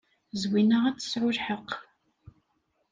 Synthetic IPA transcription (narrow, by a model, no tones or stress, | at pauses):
zwinaʁat͡sːə̥sʕʊɾħəq